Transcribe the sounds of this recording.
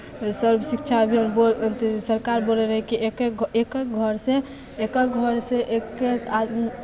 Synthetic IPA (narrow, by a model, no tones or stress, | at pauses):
səɾbʱsikt͡ʃʰabʱinbot̪səɾkaɾboleɾəɦɛkiekeekek̚ɡʱəɾsẽ | ekekɡʱəɾseʔekeka